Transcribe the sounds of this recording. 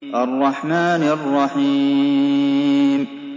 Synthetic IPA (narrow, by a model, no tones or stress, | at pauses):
ʔɑrˤːɑħmaːnʔɑrˤːɑħiː | m